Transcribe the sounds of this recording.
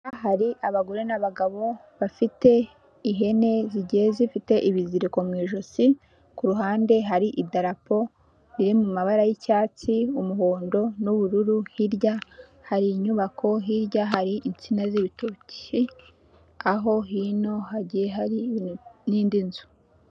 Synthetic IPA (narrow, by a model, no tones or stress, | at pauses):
aɦaɾiʔaβaɡo̞ɾe̞naβaɡaβo̞ | βafite̞ | iɦe̞ne̞ziɟeːzifite̞ʔiβiziɾiko̞mŋiːʒosi | kuɾuɦaːnde̞ɦaɾiʔidaɾapo̞ | niɾimumaβaɾajicaːt͡siumuho̞ːndo̞nuβuɾuɾuhiɾja | haɾiɲuβakʰo̞ɦiɾjaɦaɾiʔint͡sinaziβitoci | aɦo̞ɦino̞haɟijeɦaɾiniːndinzu̥